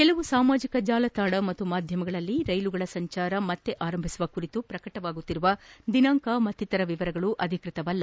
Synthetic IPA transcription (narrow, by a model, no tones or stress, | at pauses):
kelɐʋusaːmaːd͡ʒikɐd͡ʒaːlɐt̪aːɽɐmɐt̪ːumaːd̪ʱjɐmɐɡɐɭɐlːiɾɐjluɡɐɭɐsɐɲt͡ʃaːɾɐmɐt̪ːe̞ʔaːɾɐmbʱisuʋɐkuɾit̪upɾɐkɐʈɐʋaːɡut̪ːiɾuʋɐd̪inaːŋkamɐt̪ːit̪ɐɾɐʋiʋɐɾɐɡɐɭuʔɐd̪ʱikɾit̪ɐʋɐlːɐ